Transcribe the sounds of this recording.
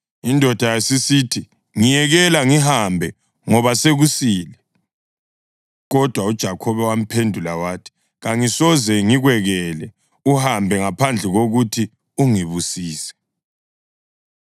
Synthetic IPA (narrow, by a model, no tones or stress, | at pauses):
indʱɔd̥ʱajasisiːtʰi | ŋijɛɣɛlaŋiɦambʱɛ | ŋɔβaseɣusiːlɛ | ɣɔd̥ʱwaud̥ʒ̥ʱakʰɔβɛwam̩pʰendʱulawaːtʰi̥ | ɣaŋisɔzɛŋiɣwɛɣɛlɛ | uhambʱɛŋapʰand͡ɮʱɛɣoɣutʰi | uŋiβusiːsɛ̥